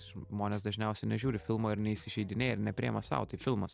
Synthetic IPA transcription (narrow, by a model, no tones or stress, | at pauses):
ʒmoːnʲeːsd̪ɐʒʲnʲɛʊsʲɛɪnʲɛʒʲuːɾʲɪfʲɪlˠmoːɪɾnʲɛiːsʲɪʒʲɛɪd̪ʲɪnʲeːjɛɪɾnʲɛpʲɾʲiɛmɐsɐ̰ʊt̪ɐfʲɪlˠmɐs